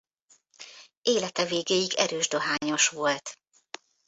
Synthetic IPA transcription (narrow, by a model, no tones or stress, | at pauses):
eːlɛt̪ɛveːɡeːjiɡɛ̰ɾøːʒd̪o̞ɦaːɲo̞ʃʋo̞lt̪